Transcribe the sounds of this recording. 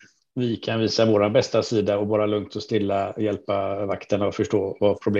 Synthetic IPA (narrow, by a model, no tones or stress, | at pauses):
vɪkʰanviːsavoːɾanbɛst̪asiːd̪aɔbɑːɾalɵŋt̪ɔst̪ɪlːajɛlpavakt̪ənaɔfœʂʈoːvapʰɾʊbl